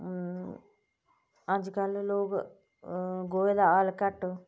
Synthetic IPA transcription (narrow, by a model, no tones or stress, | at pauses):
əd͡ʒkəlloːk | ɡoːed̪aːaːlkəʈ